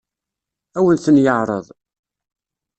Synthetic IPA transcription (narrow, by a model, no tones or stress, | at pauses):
æwənθənjəʕɾˤə̰ðˤ